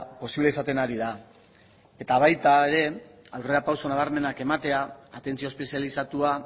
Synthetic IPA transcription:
po̞siβleisat̪e̞naɾiða | e̞t̪aβ̞ajt̪ae̞ɾe̞ | awre̞apawso̞naβ̞aɾme̞nake̞mat̪e̞aːt̪e̞nt͡sio̞spesialisat̪ua

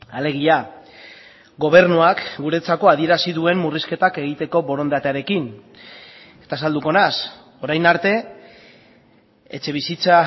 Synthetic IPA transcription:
ale̞ɣ̞ia | ɡo̞β̞e̞ɾnuakɡuɾe̞t͡sako̞aðie̞ɾasiðue̞mmuriske̞t̪ake̞ɣ̞it̪e̞ko̞βo̞ɾo̞nd̪at̪eaɾe̞kin | e̞̥t̪as̬ald̪uko̞nas | o̞ɾajnaɾt̪e̞ | t͡ʃe̞β̞isit͡sa

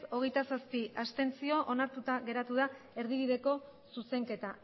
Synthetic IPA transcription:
o̞ɣ̞ejt̪asaspiʔast̪e̞nt͡sio̞ʔonaɾt̪ut̪aɣe̞ɾat̪uð̞ae̞ɾðiβ̞iðe̞ko̞suse̞ŋke̞t̪a

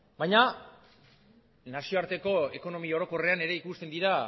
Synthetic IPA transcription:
bajɲa | nasio̞aɾt̪e̞ko̞e̞ko̞no̞mio̞ɾo̞ko̞re̞ane̞ɾe̞ikust̪e̞nd̪iɾa

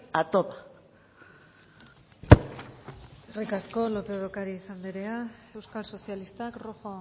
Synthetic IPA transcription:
at̪opa | erikasko̞lo̞pe̞oðokaɾiːsand̪iɾeae̞wskalso̞sialist̪akroxo

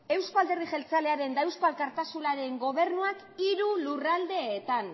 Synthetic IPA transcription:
e̞wskoald̪e̞riʝe̞lt͡sale̞aɾe̞nd̪aewskoalkaɾt̪asulaɾe̞ŋɡo̞β̞e̞ɾnuak | iɾulurald̪e̞ːt̪an

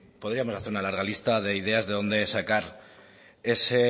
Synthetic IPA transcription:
po̞ð̞ɾiamo̞saθe̞ɾunalaɾɣalist̪aðe̞ið̞e̞azðe̞ðo̞nd̪e̞sakaɾ | e̞se̞

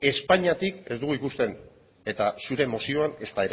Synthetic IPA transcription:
e̞spaɲat̪ike̞zd̪uɣuikust̪e̞n | e̞t̪asuɾe̞mo̞sio̞ane̞st̪aeɾ

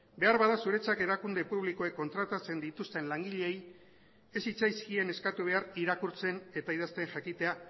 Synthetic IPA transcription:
be̞aɾβaðasuɾe̞t͡sake̞ɾakund̪e̞puβliko̞ekːo̞nt̪ɾat̪at͡se̞nd̪it̪ust̪e̞nlaŋɡiʎe̞j | e̞sit͡sajskie̞ne̞skat̪uβ̞e̞ariɾakuɾt͡se̞ne̞t̪aið̞ast̪eŋʝakit̪e̞a

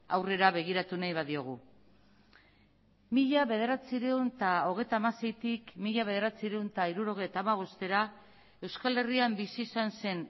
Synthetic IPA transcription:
awre̞ɾaβe̞ɣ̞iɾat̪unajβ̞aðio̞ɣ̞u | miʎaβe̞ð̞e̞ɾat͡siɾeunt̪ao̞ɣ̞e̞jt̪aːmase̞jt̪ikmiʎaβe̞ðe̞ɾat͡siɾeunt̪aiɾuɾo̞ɣ̞e̞jt̪aːmaβ̞o̞st̪e̞ɾa | e̞wskale̞riambisiːsanse̞n

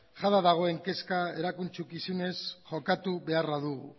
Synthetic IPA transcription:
ʝaðaðaɣ̞o̞e̞ŋke̞skae̞ɾakunt͡ʃukisune̞sxʝo̞kat̪uβe̞araðuɣṵ

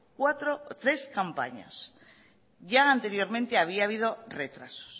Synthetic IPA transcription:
kwat̪ɾo̞t̪ɾe̞skampa̰ɲa̰s | ʝaant̪e̞ɾjo̞ɾmẽnt̪e̞aβ̞iaːβiðo̞re̞t̪ɾaso̥s

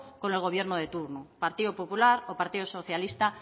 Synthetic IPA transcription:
kone̞lɣo̞β̞jeɾnoðe̞t̪uɾnopaɾt̪iopopulaɾopaɾt̪iðoso̞θjalist̪a

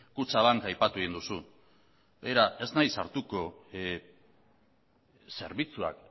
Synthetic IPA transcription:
kut͡saβaŋkajpat̪uind̪usu | bejɾaʔe̞znajsaɾt̪uko̞ | se̞ɾβit͡sua̰k

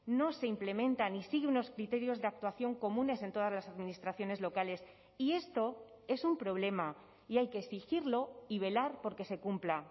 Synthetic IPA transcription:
no̞se̞imple̞mẽ̞nt̪anisiɣeuno̞skɾit̪e̞ɾjo̞zðe̞ak̚t̪waθjo̞ŋko̞mũne̞se̞nt̪o̞ð̞azlasaðminist̪ɾaθjo̞ne̞zlo̞kale̞s | ie̞st̪o̞ | e̞sumpɾo̞β̞le̞ma | iajkeːsixiɾlo̞iβ̞e̞laɾpo̞ɾke̞se̞kumpla

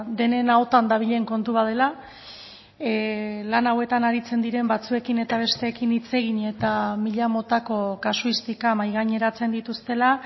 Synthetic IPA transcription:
d̪e̞ne̞nao̞t̪and̪aβ̞iʎe̞ŋko̞nt̪uβað̞e̞la | lanawe̞t̪anaɾit͡se̞nd̪iɾe̞mbat͡sue̞kine̞t̪aβ̞e̞st̪e̞ːkinit͡se̞ɣ̞iɲe̞t̪amiʎamo̞t̪ako̞kasuist̪ikamajɣaɲe̞ɾat͡se̞nd̪it̪ust̪e̞la

